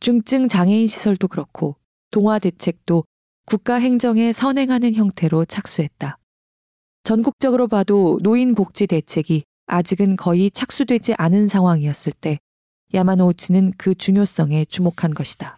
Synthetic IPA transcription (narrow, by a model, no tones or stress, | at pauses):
t͡ɕuŋt͡ɕ͈ɯŋt͡ɕaŋe̞inɕʰi̥sʰʌɭdokɯɾʌkʰo | toŋɦwade̞t͡ɕʰe̞k̚t͈o | kuk̚k͈aɦe̞ŋd͡ʑʌŋe̞sʰʌnɦe̞ŋɦanɯnçjʌŋtʰe̞ɾot͡ɕʰak̚s͈uɦe̞t̚t͈a | t͡ɕʌnɡuk̚t͡ɕ͈ʌɡɯɾobadonoinpok̚t͡ɕ͈ide̞t͡ɕʰe̞ɡi | ad͡ʑiɡɯnkʌit͡ɕʰak̚s͈udwe̞d͡ʑiʔanɯnsʰaŋɦwaŋiʌs͈ɯɭt͈e̞ | jamanot͡ɕʰinɯnkɯt͡ɕuŋjos͈ʌŋe̞t͡ɕumokʰanɡʌɕʰi̥d̥a